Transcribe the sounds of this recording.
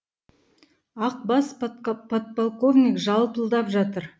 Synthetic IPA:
ɑq̚bɑspʰot̪̚polˠko̞vnʲikʒɑlˠpəlˠd̪ɑpʒɑt̪əɾ

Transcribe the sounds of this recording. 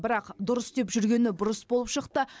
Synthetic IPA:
bɪɾɑqd̪ʊɾəsd̪e̞pʒʏɾɡʲe̞nɪbʊɾəsbo̞lˠəpʃəqt̪ə

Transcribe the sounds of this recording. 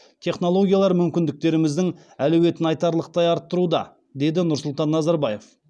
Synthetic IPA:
t̪ʲʰe̞χno̞lˠo̞ɡʲijalˠɑɾmʏmkʲɪnd̪ɪk̚t̪e̞ɾɪmɪzd̪ɪŋ | ælɵwe̞t̪ɪnɑjt̪ɑɾlˠəq̚t̪ɑjɑɾt̪ːəɾud̪ɑ̰ | d̪e̞d̪ɪnʊɾsʊlˠt̪ɑnːɑzɑɾbɑje̞f

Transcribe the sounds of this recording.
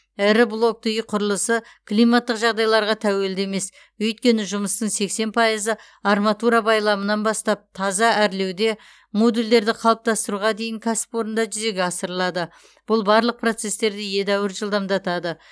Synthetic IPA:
ɪɾɪblˠo̞k̚t̪əjqʰʊɾəlˠəsə | klijmat̪ːəqʒɑʁd̪ɑjlˠɑɾʁɑt̪ʰæwe̞ld̪eme̞s | ɵjt̪̚kʲe̞nɪʒʊməst̪əɴse̞kse̞npʰɑjəzə | ɑrmɑt̪uɾɑbɑjlˠɑmənɑnbɑst̪ɑp̚t̪ʰɑzɑʔæɾle̞wd̪e̞ | mo̞d̪uld̪e̞ɾd̪ɪqʰɑlˠəp̚t̪ɑst̪əɾuʁɑd̪e̞jɪŋkʲʰasɪ̥po̞ɾənd̪ɑʒʏze̞ɡʲeɑsəɾəlˠɑd̪ə | b̥ʊlˠbɑɾlˠəq̚pro̞t̪se̞st̪e̞ɾd̪ɪje̞d̪æwəɾʒəlˠd̪ɑmd̪ɑt̪ɑd̪ə

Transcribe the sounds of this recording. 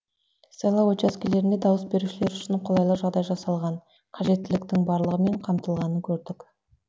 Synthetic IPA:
selˠɑwot͡ʃaskʲele̞ɾɪnd̪e̞d̪ɑwəsbe̞ɾuʃɪle̞ɾʏʃɪɴqʰolˠɑjlˠəʒɑʁd̪ɑjʒɑsɑlˠʁɑn | qʰɑʒe̞t̪ːɪlɪk̚t̪ɪŋbɑɾlˠəʁəme̞ɴqʰɑmt̪əlˠʁɑnəŋkʲʰɵɾd̪ɪk

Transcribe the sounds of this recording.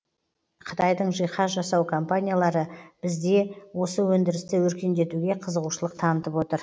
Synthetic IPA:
qʰə̥t̪ʰɑjd̪əɴʒijχɑʒɑsɑwkʰompanʲijalˠɑɾəb̥ɪzd̪e̞wo̞səwɵnd̪ɪɾɪst̪ɪwɵɾkʲe̞nd̪e̞t̪uɡʲe̞qʰəzəʁuʃəlˠəqt̪ʰɑnət̪əpwo̞t̪əɾ

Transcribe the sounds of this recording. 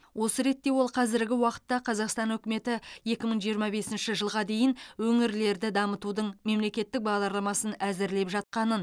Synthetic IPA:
wʔo̞səɾe̞t̪ːe̞wo̞lˠqʰɑzɪɾɡʲɪwɑqə̥t̪ːɑqʰɑzɑqst̪ɑnɵkʲɪme̞t̪ɪje̞kʲɪməɴʒijəɾmɑbe̞sɪnʃɪʒəlˠʁɑd̪e̞jɪnwɵŋɪɾle̞ɾd̪ɪd̪ɑmət̪ud̪əɴme̞mle̞kʲe̞t̪ːɪk̚bɑʁd̪ɑɾlˠɑmɑsənæzɪɾle̞pʒɑt̪̚qɑnən

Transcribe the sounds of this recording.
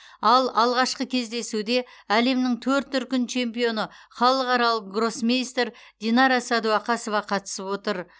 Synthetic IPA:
ɑlˠɑlˠʁɑʃqəkʲʰe̞zd̪e̞sud̪e̞ | æle̞mnɪŋt̪ʰɵɾt̪̚ːʏɾ̚kʲɪnt͡ʃʰe̞mpijo̞nəχɑlˠəqɑɾɑlˠəqɡro̞smʲejst̪ɾ | d̪̥ʲinɑɾɑsɑd̪uɑqʰɑso̞vɑqʰɑt̪ə̥səpwo̞t̪əɾ

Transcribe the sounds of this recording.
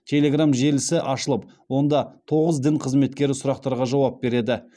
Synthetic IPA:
t̪ʲʰe̞lʲe̞ɡramʒe̞lɪsɪʔɑʃəlˠəp̚ | wo̞nd̪ɑt̪ʰo̞ʁəzd̪ɪnqʰəzme̞t̪̚kʲe̞ɾɪsʊɾɑq̚t̪ɑɾʁɑʒɑwɑp̚be̞ɾe̞d̪ɪ

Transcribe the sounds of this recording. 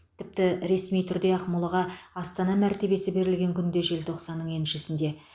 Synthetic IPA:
t̪ʰɪp̚t̪ɪɾe̞smijt̪ʰʏɾd̪e̞ɑqmʊlˠəʁɑɑst̪ɑnɑmæɾt̪e̞be̞sɪbe̞ɾɪlɡʲe̞ŋkʲʰʏnd̪e̞ʒe̞lt̪ʰo̞qsɑnːəɴe̞nʃɪsɪnd̪e̞

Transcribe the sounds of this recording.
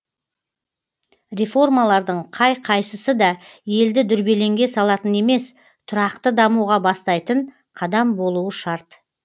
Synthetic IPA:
ɾʲefo̞rmalˠɑɾd̪əɴqʰɑjqʰɑjsəsəd̪ɑje̞ld̪ɪd̪ʏɾbe̞le̞ŋɡʲe̞sɑlˠɑt̪əne̞me̞s | t̪ʰʊɾɑqt̪əd̪ɑmuʁɑbɑst̪ɑjt̪əɴ | qʰɑd̪ɑmbo̞lˠuwəʃɑɾt̪

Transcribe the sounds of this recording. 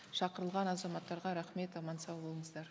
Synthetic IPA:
ʃɑqəɾəlˠʁɑnɑzɑmɑt̪ːɑɾʁɑɾæχme̞t̪ɑmɑnsɑwbo̞lˠəɴəzd̪ɑɾ

